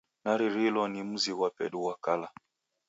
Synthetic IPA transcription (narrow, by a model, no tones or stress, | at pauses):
naɾiɾilɔnim̩ziɣwapɛ̰ɗuwakala